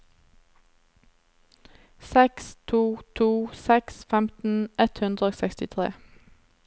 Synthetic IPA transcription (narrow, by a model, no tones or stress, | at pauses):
sɛkst̪ʰuːt̪ʰuːsɛksfɛmt̪n̩ʔɛt̪hʉnd̪ʁəoːsɛkst̪ɪt̪ʰʁḛː